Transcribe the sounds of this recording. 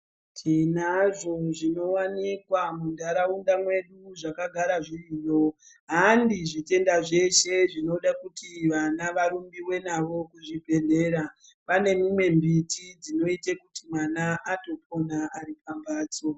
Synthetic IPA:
tʰinaʐo̞ʐino̞wanikwamundaɾaundamwe̞ɗuʐakaɡʱaɾaʐiiːjo̞ | ɦandiʐite̞ndaʐe̞ʃe̞ʐino̞ɗakutʰiʋanaʋaɾumbiwe̞naʋo̞kuʐibʱe̞ne̞ːɾa | pane̞mimwe̞mbitʰid͡zino̞itekutimwanaato̞pʰo̞naaripambaːt͡so

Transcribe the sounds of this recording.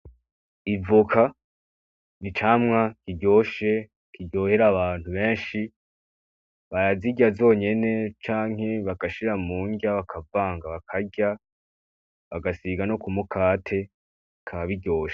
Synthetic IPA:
ivukʰa | nit͡ʃaːmŋakiɟo̞ːʃe̞ | kʰiɟo̞ːheɾaβaːn̥huβe̞ːnʃi | βaɾaziɟazo̞ːɲe̞ne̞t͡ʃaːŋ̥he̞βakaʃiɾamuːɲɟaβakʰavaːŋɡaβakʰaɟa | βaɡasiɡano̞kumukʰaːtʰe̞ | kʰaβaβiɟo̞ːʃa

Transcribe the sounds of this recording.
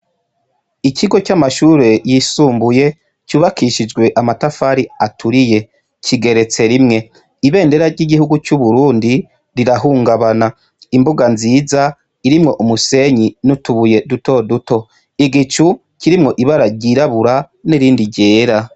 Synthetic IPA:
icʰiɡo̞camaʃuːɾe̞jisuːmbuje̞ | cuːβakiʃid͡ʒɡwe̞ʔamatafaɾiatʰuɾije̞ | cʰiɡe̞ɾe̞t͡se̞ɾimŋe̞ | iβe̞ːnde̞ɾaɾɟiɡihuɡut͡ʃuβuɾuːndi | ɾiɾaɦuːŋɡaβana | imbuɡanziːza | iɾimŋo̞ʔumuse̞ɲinutuβuje̞duto̞duto̞ | iɡit͡ʃu | ciɾimŋo̞ʔiβaɾaɾɟiɾaβuɾa | niɾiːndiɟe̞ːɾa

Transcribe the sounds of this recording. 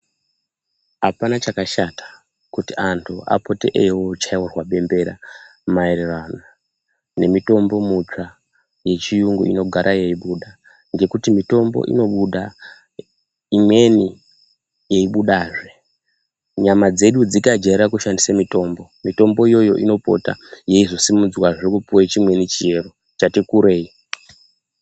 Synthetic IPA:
ɦapanat͡ʃakaʃatḁ | kutiantʰua̰po̞tḛʔewot͡ʃaiwurwaɓe̞mbe̞ɾa̰ | maererana | ne̞mito̞mbo̞mut͡ʂa | je̞t͡ʃijuŋɡṵino̞ɡʱaɾʔaje̞iɓuɗa | ŋɡe̞kutimito̞mbo̰ʔḭno̞ɓuɗa | imwe̞ni | je̞iɓuɗaːʐe | ɲamad͡ze̞ɗud͡zikad͡ʒeɾakuʃandisamito̞mbo̞mito̞mbo̞ijo̞jo̞̰ʔino̞po̞̰ta̰je̞izo̞simud͡zwaʐikupuwet͡ʃimwe̞nit͡ʃie̞ro̞ | t͡ʃatikuɾe̞ːi

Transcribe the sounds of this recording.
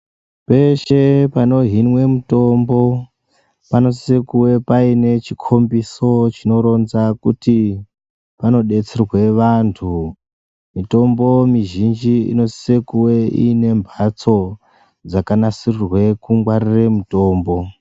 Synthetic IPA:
pe̞ʃe̞pano̞ɦinwe̞muto̞mbo̞ | pano̞s̬isekuwe̞paine̞t͡ʃikʰo̞mbiso̞t͡ʃino̞ɾo̞nzakuti | pano̞ɗe̞t͡serwe̞ʋantʰu | mito̞mbo̞miʒind͡ʒiḭno̞sisekuweḭːne̞mbʱat͡so̞ | d͡zakanasirirwe̞kuŋɡwariremuto̞ːmbo̞

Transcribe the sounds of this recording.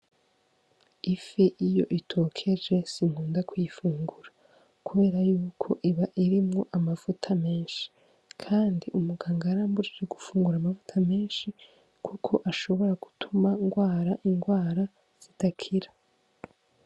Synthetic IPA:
ifeʔijo̞̰ʔitʰo̞kʰe̞ʒe̞siŋ̥huːndakwujifuːŋɡuɾa | kuβe̞ːɾajuːkʰo̞ʔiβaʔiɾimŋo̞ʔamav̥utʰame̞ːnʃi̥ | kʰaːndiʔumuɡaːŋɡaɾaːmbuiɾeɡufuːŋɡuɾamavutʰame̞ːnʃi | kʰukʰo̞ʔaʃo̞βo̞ɾaɡ̥u̥tʰumaŋɡwaːɾaʔiŋɡwaːɾa | z̥itakʰiɾa

